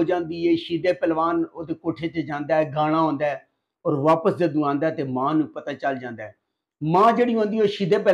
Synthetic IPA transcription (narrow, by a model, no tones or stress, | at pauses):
oːd͡ʒãːnd̪iːeːʃiːd̪eːpɛːlʋaːnoːd̪eːkoːʈʰeːt͡ʃd͡ʒãːnd̪aːɛːɡaːɽ̃ãːɦõːnd̪aːɛː | ɔːɾʋaːpəsd̪eːd̪uãːnd̪aːt̪eːmãːnũːpət̪aːt͡ʃəld͡ʒãːnd̪aːɛː | mãːd͡ʒeːɽiːɦõːnd̪iːoːʃiːd̪eːpɛ